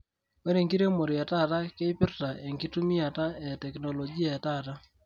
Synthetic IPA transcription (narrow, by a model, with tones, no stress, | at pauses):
we˦ɾe˨ŋki˦ɾe˦mo˨ɾi˨a˨ta˦˨ta˦ke˦pɪ˦rta˨e˨ŋɡi˦tu˦mi˦a˨ta˦ɛ˨tɛ˨knɔ˨lɔ˨ɡi˦a˨ɛ˨ta˦ta˦